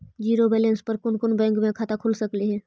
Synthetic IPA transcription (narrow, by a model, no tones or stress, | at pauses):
d͡ʒiːɾobɛːlẽnspəɾkʊnkʊnbɛ̃ːŋkmẽkʰaːt̪akʰʊlsəkliɦɛ̃ː